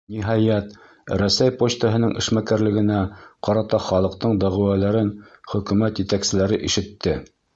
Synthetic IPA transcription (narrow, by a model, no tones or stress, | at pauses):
niɦɑjæt̪ | ɾæsæjpot͡ɕt̪əɦɤ̆nɤɴʔɘ̰̆ʃmækæɾlɘ̆ɡɘ̆næqɒɾɑt̪ɑχɒlˠɤ̆q̚t̪ɤɴd̪ɒʁɘ̆wælæɾɘnχɵ̆kʉ̆mæt̪jɘ̆t̪æksɘ̆læɾɘʔiʃɘ̆t̪ːɘ